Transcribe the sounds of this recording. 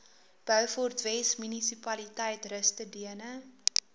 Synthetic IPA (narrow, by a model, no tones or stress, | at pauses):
b̥œwfɔrtvɛsmynisipɐlitɛjtrəstədiənə